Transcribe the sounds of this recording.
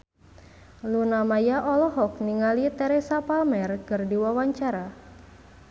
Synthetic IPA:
lunamajaʔɔlɔɦɔk̚niŋalit̪ɛɾesapalmɛrkɨrdiwawaɲt͡ʃaɾa

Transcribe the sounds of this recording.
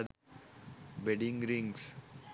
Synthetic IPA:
d̪ | beɖɪ̃ŋɡɾɪ̃ŋɡs

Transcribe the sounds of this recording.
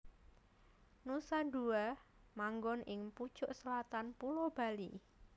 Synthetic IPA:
nusanduamaŋɡɔnʔɪŋpud̥ʒ̥ʊʔsəlat̪anpulob̥a̤lḭ

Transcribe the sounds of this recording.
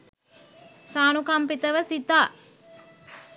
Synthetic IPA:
saːnukampit̪əʋəsit̪aː

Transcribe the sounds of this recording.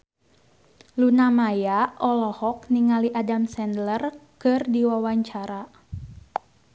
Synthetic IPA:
lunamajaɔlɔhɔk̚niŋaliʔadamsɛndlərkɨrdiwawaɲt͡ʃaɾa

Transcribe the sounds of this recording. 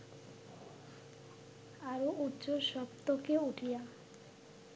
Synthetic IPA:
aɾoʔutːt͡ɕoʃɔpt̪okeuʈʰija

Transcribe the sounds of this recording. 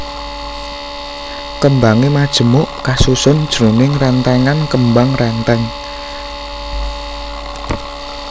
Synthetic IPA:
kəmbaŋemad̥ʒ̥ə̤mʊʔkasusʊnd̥ʒ̥ɾunɪŋrɛnt̪ɛŋankəmbaŋrɛnt̪ɛŋ

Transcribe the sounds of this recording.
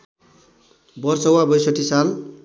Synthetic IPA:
bʌrsʌwabʌjsʌʈisal

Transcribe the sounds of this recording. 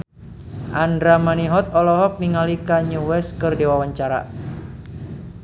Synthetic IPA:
ʔandɾamaniɦɔt̪ɔlɔɦɔk̚niŋalikaɲuwɛskɨrdiwawaɲt͡ʃaɾa̰

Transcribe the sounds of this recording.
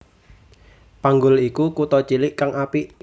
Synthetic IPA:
paŋɡʊlikukut̪ɔt͡ʃilɪʔkaŋapi

